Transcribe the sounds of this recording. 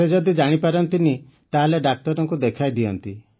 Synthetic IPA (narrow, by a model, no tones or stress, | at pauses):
ed͡ʒɔd̪id͡ʒaɽ̃ipaɾɔnt̪ini | t̪aɦaleɖak̚t̪ɔɾɔŋkud̪ekʰajd̪iɔnt̪i